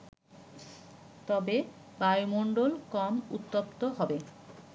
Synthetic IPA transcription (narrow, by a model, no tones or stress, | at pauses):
t̪ɔbe | bajmoɳɖolkɔmut̪ːopt̪oɦɔbe